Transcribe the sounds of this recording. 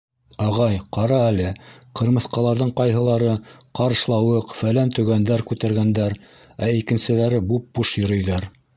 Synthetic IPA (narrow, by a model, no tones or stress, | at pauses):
ɑʁɑjqɑɾɑælɘqɤ̆ɾmɤ̆θqɑlˠɑɾðɤɴqɑjɦɤ̆lˠɑɾɤqɑɾ̆ʃlˠɑwɤqfælænt̪ɵ̆ɡænd̪æɾkʉt̪æɾɡænd̪æɾ | æikɘ̆nsɘ̆læɾɘbup̚b̥uʃjɵ̆ɾɵ̆jðɑɾ